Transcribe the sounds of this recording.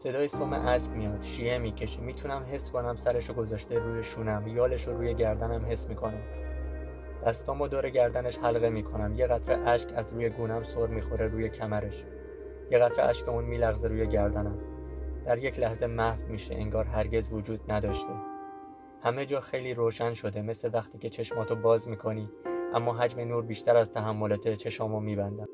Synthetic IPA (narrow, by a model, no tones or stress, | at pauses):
se̞d̪ɒːjesomḛʔæsbmijɒːd̪̥ʃiːe̞miːcʰe̞ʃimiːt̪ʰunæmɦe̞skʰo̞næmsæɾe̞ʃoɡo̞zɒːʃt̪eɾuːje̞ʃuːnæmjɒːle̞ʃoɾuːje̞ɟæɾd̪ænæmɦe̞sːmiːkʰo̞næm | d̪̥æst̪ɒːmbɒːd̪oːɾe̞ɟæɾd̪æne̞ʃhælɣe̞miːkʰo̞næmje̞ɣæt̪ʰɾeʔæʃcʰæzɾuːje̞ɡuːnæmsoɾmiːxo̞ɾeɾuːje̞cʰæmæɾe̞ʃ | jeɣæt̪ʰɾeʔæ̰ʃcʰeuːnmiːlæɣzeɾuːje̞ɟæɾd̪ænæmd̪̥æɾje̞cʰlæhze̞mæhvmiːʃḛʔeŋɡɒːɾɦæɾɟe̞zvod͡ʒuːd̪næd̪ɒːʃt̪ʰe̞ | hæme̞d͡ʒɒːxe̞jliːɾoːʃænʃo̞d̪e̞me̞slevæxt̪ʰiːcʰe̞t͡ʃʰe̞ʃmɒːt̪ʰobɒːzmiːkʰo̞niːʔæmːɒːɦæd͡ʒmenuːɾbiːʃt̪æɾæzt̪ʰæɦæmːolet̪ʰet͡ʃʰe̞ʃɒːmomiːbænd̪æm